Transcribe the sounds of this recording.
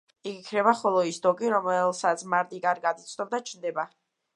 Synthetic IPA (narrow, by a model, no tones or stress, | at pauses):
iɡikʰnɛbaχɔlˠɔisd̪ɔɡʼiɾɔmɛlˠsat̪sʰmaɾd̪ikʼaɾɡad̪it̪sʼd̪ɔb̚d̪at͡ʃʰnd̪ɛba